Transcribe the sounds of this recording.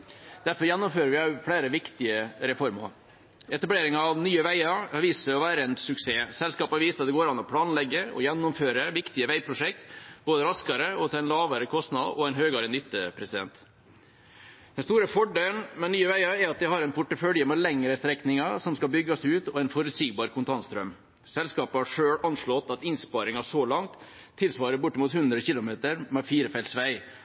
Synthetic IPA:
d̪æɾfɔɾjɛnːɔmføːɾəʋɪæfɽæːɾəʋɪkt̪ɪəɾɛfɔɾmɑ̰ɾ | ɛt̪ɑbleːɾɪŋɑːʋnyːəʋæɪɑɾɑʋiːsəɾɔʋæːɾəɛnsʉkseːsɛlskɑːpɑʋiːsəɑt̪d̪ɛɡoːɾɑnːɔpʰlɑːnlɛɡːəɔ̰jɛnːʊmføːɾəʋɪkt̪ɪəʋæɪpʰɾʊʂɛk̚t̪boːd̪əɾɑskɑɾəɔt̪ʰɛnlɑːʋəɾəkʰɔst̪nɑd̪ɔɛɪnɦøːɡɑɾənʏt̪ːəpʰɾɛsɪd̪ɛ̰nt̪ | d̪̥ɛnst̪uːɾəfɔɖeːlnmɛnnyːəʋæɪɑɛɾɑt̪̚d̪ɛhɑɾɛɪnpʰʊʈːəfœljəmɛlɛŋːəɾəst̪ɾɛknɪŋɑsɔmskɑbʏɡːɑsʉːt̪ɔɛnfɔɾʉt̪siːɡ̚bɑːɾkʰʊnt̪ʰɑnst̪ɾœm | sɛlskɑːpəhɑʂøːɽɑnʂɭɔt̪ɑt̪ɪnspɑːɾɪŋɑʂɔlɑŋt̪ʰː | ɪlsʋɑːɾəbʊʈːəmuːt̪hʉnd̪ɾəçɪlʊmeːt̪əɾmɛfiːɾəfæɪlsʋæɪ

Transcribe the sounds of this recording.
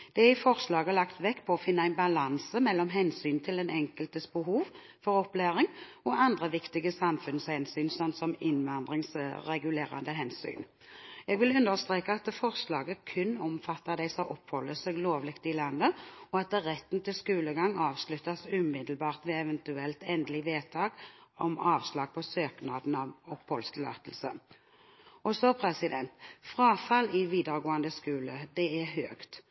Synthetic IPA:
d̪̥ɛɪfɔʁslɑːɡəlɑkt̪ʋɛkːpʰɔɔfɪnːəɑæɪnbɑlɑnsəmɛlːɔmɦɛnsyːnt̪ʰɪlɛnɛŋkəlt̪əsbəɦuːʋ | fɔʁɔplæːʁɪŋ | ɔɑnd̪ʁəʋɪkt̪ɪɡəsɑmfʉnshɛnsyːnsɔnt̪sɔmɪnʋɑnd̪ʁɪŋsɾɛɡʉleːʁɑ̰nd̪əɦɛnsy̰ːn | jɛɡʋɪlʉnd̪əʁst̪ʁeːkəɑt̪fɔʁslɑːɡəkʰʉnːɔmfɑt̪ːəʁd̪æɪsɔʔɔphɔlːəsɛːɡloːʋlɪkt̪ɪlɑnːəɔɑt̪ʁɛt̪ːn̩t̪ʰɪlskʉːləɡɑŋːɑːʋslʉt̪ːɑsʉːmɪd̪əl̩bɑːʁt̪ʋɛɛʋɛnt̪ʉɛlt̪ɛnd̪əlɪʋeːt̪ʰɑːɡɔmɑːʋslɑːɡ̚pʰɔsøːknɑːd̪n̩ɑʋɔphɔlst̪ʰɪlɑ̰ːt̪əl̩sə | ɔsɔpʰʁɛsɪd̪ɛnt̪fʁɑːfɑlɪʋiːd̪əʁɡoːɑnd̪əskʉːləd̪ɛɛʁɦøːkt̪

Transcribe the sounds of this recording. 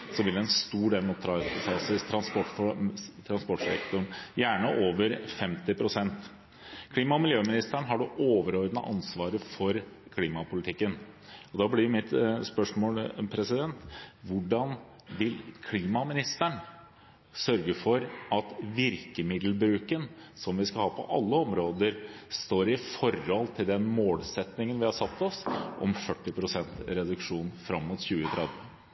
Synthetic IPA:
sɔʋɪld̪ɛɛnst̪uːɖeːlmɔt̪ʰɾɑɛt̪əsɑːsɪst̪ʰɾɑnspɔʈ | t̪ʰɾɑnspɔʈʂɛ̰kt̪ʊɳjæːɳəʔoːʋəɾfɛmt̪ɪpʰɾʊsɛnt̪ | kʰliːmɑɔmɪljøːmɪnɪst̪æɳɦɑɖʉʔoːʋəɾɔɾd̪nə̰ʔɑ̰nsʋɑːɾəfɔɾkʰliːmɑpʊlɪt̪ʰɪkːənɔd̪ɑːblɪmɪt̪spœʂmoːlpʰɾɛsɪd̪ɛnt̪ʋʊɖɑn | ʋɪlkʰliːmɑmɪnɪst̪æɳ | sœɾɡəfɔɾɑt̪ʋɪɾkəmɪd̪l̩bɾʉːkənsɔmʋɪskɑhɑːpʰɔ̰ʔɑ̰lːəɔmɾoːd̪əɾst̪oːɾɪfɔɾhɔlt̪ʰɪld̪ɛnmoːlsɛt̪nɪŋənʋɪhɑsɑt̪ːɔsʔɔ̰mfœʈːɪpʰɾʊsɛnt̪ɾɛd̪ʉkʂuːnfɾɑmːʊt̪çʉːət̪ʰɾɛd̪ʋə

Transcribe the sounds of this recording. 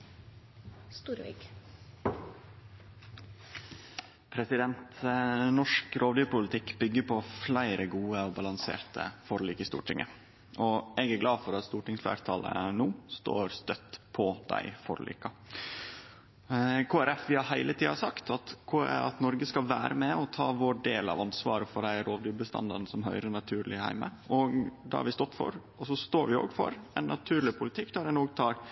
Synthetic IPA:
st̪uːɾʋḭk | pʰɾɛsɪd̪ɛnt̪nɔʂkɾʔoːʋd̪yːpʊlət̪ʰɪkːbʏɡːəɾpʰɔflæɪɾʔəɡuːəɔbɑlɑŋsḛːɾt̪ʰə̰fɔɾlyːkəɪst̪ṵːʈʰɪŋʔə̰ | ʔɔɛɡæɾɡlɑːfɔɾɑt̪st̪uːʈɪŋsflæ̰ːɾt̪ʰɑlə̰nuːst̪o̰ːɾst̪œt̪pʰɔd̪æ̰ɪfɔɾlḭːkɑ | kʰoːæɾɛfʋɪhɑɾɦæɪlət̪ʰiːɑsɑkt̪ʰɑt̪kʰoːɑ̰t̪nɔɾɡəskɑlʋæːɾəmɛɔt̪ʰɑːʋoɖeːlɑ̰ʋɑnsʋɑːɾəfɔɖæɪæɾoːʋd̪yːbəst̪ɑ̰nd̪ɑɾnsɔmɦœʏɾənɑt̪ʰʉːɾlɪhæ̰ɪməɔɡd̪ɑ̰hɑ̰ʋɪst̪ɔt̪ːfɔ̰ɾ | ɔsɔst̪oːɾʋɪo̰ːɡfɔ̰ɾɛnːʔɑt̪ʰʉːɾɭɪpʰʊlɪt̪ʰɪkːd̪æɾɛnoːɡt̪ʰɑːɾ

